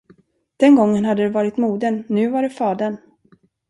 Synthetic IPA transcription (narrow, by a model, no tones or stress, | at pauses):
d̪̥ɛnɡɔŋːənɦad̪ːəd̪ɛvɑːɾɪt̪muːd̪ənːʉ̟ːvaɖɛfɑːd̪əɳ